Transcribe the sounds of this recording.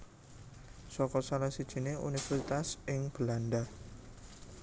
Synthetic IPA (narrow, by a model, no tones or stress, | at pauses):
sɔkɔsalahsid̥ʒ̥i̤neṵnifɛrsit̪asɪŋb̥əlanda